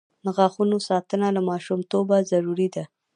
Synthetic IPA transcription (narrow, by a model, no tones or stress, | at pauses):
nəɣaxunosɑt̪ənalamɑʃumt̪obazaɾuɾid̪a